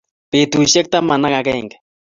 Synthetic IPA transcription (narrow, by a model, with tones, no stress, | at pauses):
pet̪uʃe˦k̚t̪a˦ma˨na˦ka˨kɛŋɡ